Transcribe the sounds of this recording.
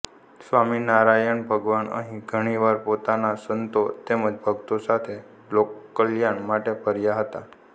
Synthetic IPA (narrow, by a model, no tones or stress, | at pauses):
sʋaminaɾajəɳbʱəɡʋanə̰ɦĩɡʱəɽ̃iʋaɾpot̪anasənt̪ot̪eməd͡ʒbʱəɡt̪osat̪ʰe | lokːəljaɳmaʈepʰəɾjaɦət̪a